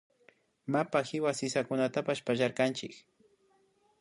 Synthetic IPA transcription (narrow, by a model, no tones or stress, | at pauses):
mapaxɪwasɪsakʊnat̪apaʃpaʒaɾkant͡ʃɪk